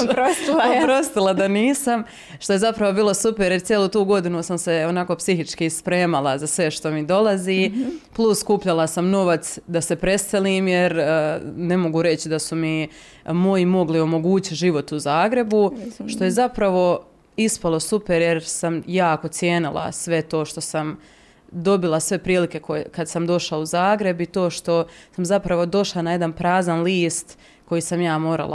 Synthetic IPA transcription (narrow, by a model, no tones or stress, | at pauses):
ospɾost̪ilˠad̪aniːsam | ʃt̪o̞je̞zapɾaʋo̞biːlˠo̞supe̞ɾjeɾt̪jelˠuːt̪uːɡo̞d̪inusamse̞o̞naːko̞psiɦit͡ʃkispɾe̞ːmalˠazasʋe̞ʃt̪o̞mid̪o̞laziːplˠuskuːpʎalˠasamno̞ʋat̪sd̪ase̞pɾe̞st̪eliːmjeɾne̞mo̞ɡuɾe̞t͡ɕid̪asumi | mo̞jimo̞ɡlio̞mo̞ɡuːt͡ɕit̪ʒiʋo̞t̪uzaːɡɾe̞buʃt̪o̞je̞zapɾaʋo̞ | ispalˠo̞supe̞ɾjeɾsamjaːko̞t̪sje̞ːnilˠa̰sʋe̞t̪o̞ːʃt̪o̞sam | d̪o̞bilˠasʋe̞pɾiːlike̞kokad̪samd̪o̞ʃlauzaːɡɾe̞bit̪o̞ːʃt̪o̞samzapɾaʋo̞d̪o̞ʃlˠanaje̞d̪anpɾaːzanliːst̪ | ko̞jisamjaːmo̞ːɾa̰la̰